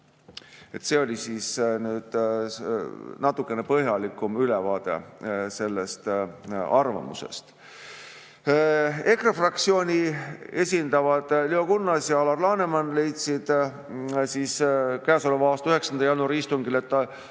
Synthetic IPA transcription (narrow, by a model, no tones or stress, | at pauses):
e̞t̪seo̞lʲisiːsnyːd̪̥ | nɑt̪ːˑukːˑe̞ne̞pɤɦjɑlikːˑumylevɑːd̪̥e̞̰se̞lːe̞st̪ɑrvɑ̰mṵse̞̰st̪ | e̞krɑfrɑkt̪sio̞ːnʲie̞sʲind̪̥ɑvɑd̪̥lio̞kunːɑsjɑɑlɑrlɑːne̞mɑnle̞jt̪sid̪̥ | siːskæːso̞levɑɑːst̪ɑyhe̞ksɑnd̪ɑjɑnuɑɾist̪uŋɡile̞t̪ːɑ